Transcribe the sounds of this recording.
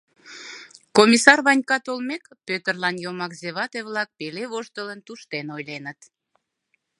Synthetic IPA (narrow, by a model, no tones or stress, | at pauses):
komʲisɑrβɑnʲkɑt̪olmekpøt̪ərlɑnjomɑkzeβɑt̪eβlɑk̚peleβoʃt̪ələnt̪uʃt̪enojlenət̪